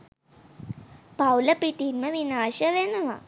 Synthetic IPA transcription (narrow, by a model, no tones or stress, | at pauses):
pawlɐpiʈ̪inmɐʋinaːʃɐʋenɐʋa̰